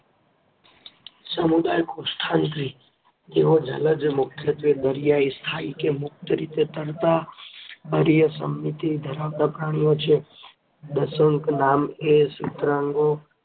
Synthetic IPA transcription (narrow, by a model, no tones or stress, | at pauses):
səmud̪aːjkosʈʰãnt̪ɾi | t̪eɦod͡ʒʱə̰ləd͡ʒmʊkʰjət̪ʋed̪əɾijaist̪ʰaikemʊk̚t̪əɾit̪et̪əɾt̪a | pəɾijəsə̰mːit̪id̪ʱəɾawd̪apɾaːɽ̃ijot͡ʃʰe | d̪əsəŋknaːmesut̪ɾãŋɡo